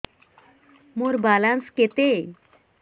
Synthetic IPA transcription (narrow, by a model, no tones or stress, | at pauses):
moɾbalansket̪e